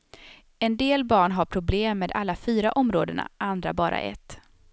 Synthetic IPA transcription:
ɛnd̪eːlbɑːɳɦaɾpʰɾʊbleːmːeːd̪a̰lːafyːɾaʔɔmɾoːd̪əɳa̰ʔand̪ɾabɑːɾʔa̰ʔɛ̰t̪ː

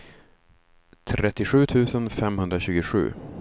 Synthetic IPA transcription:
t̪ʰɾɛt̪ːɪɧʉ̟ːt̪ʰʉ̟ːsənfɛmɦɵnd̪ɾaɕʉ̟ːɡʊɧʉ̟̰ː

